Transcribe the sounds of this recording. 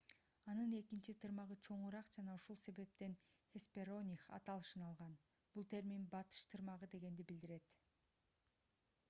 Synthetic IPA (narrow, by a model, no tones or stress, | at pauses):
ɑnɯne̞kint͡ʃit̪ʰɯɾmɑʁɯt͡ʃʰo̞ɴuɾɑqd͡ʒɑnɑuʃulˠse̞βe̞p̚t̪e̞nhespʲeɾo̞nʲixɑ̰t̪ɑlˠɯʃɯnɑlˠʁɑn | b̥ulˠt̪ʰe̞ɾmimbɑt̪ɯ̥ʃt̪ʰɯɾmɑʁɯd̪e̞ɡe̞nd̪ibild̪iɾe̞t̪